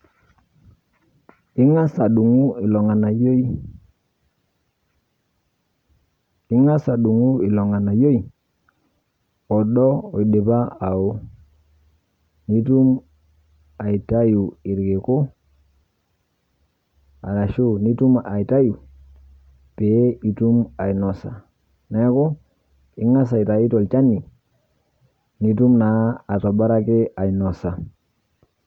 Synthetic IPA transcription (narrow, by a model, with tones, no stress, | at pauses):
ɪ˦ŋa˦sa˨ɗu˨ŋu˦ɪ˨lɔ˨ŋa˨na˨jo˦i˦ | ɪ˦ŋa˦sa˨ɗu˨ŋu˦ɪ˨lɔ˨ŋa˨na˨jo˦i˨ | ɔ˨ɗɔ˦ɔ˨i˨de˨ba˦a˨u˦ | ni˦tu˦m | a˨i˨ta˦ju˨i˨ɾɡe˨ko˦ | a̰˨la˨ʃu˦˨ni˦tu˦ma˨i˨ta˦ju˨ | pe˨˦i˨tu˦ma˨i˨nɔ˨sa˨ | na˨˦ko˦ | i˦ŋa˦s̬a˨i˨ta˨i˦tɔ˨lt͡ʃa˦nːi˨ | ni˨˦tu˦mna˨˦a˨to˨ba˦ɾa˦ke˦ʔa˨i˨nɔ˨sa˨